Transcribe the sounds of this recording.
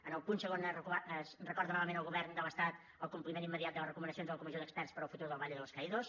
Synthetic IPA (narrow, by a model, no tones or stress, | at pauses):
ənəlˠpunsəɣonəəsrəkɔɾðənɔβəmenəlˠɣuβɛrnd̪ələst̪at̪ | əlˠkumplimẽnimːəðiat̪̚d̪əlˠərəkumənəsionzðələkumizioðəkspɛrspəɾəlˠfut̪uɾðəlˠβaʎəðəlˠskəiðos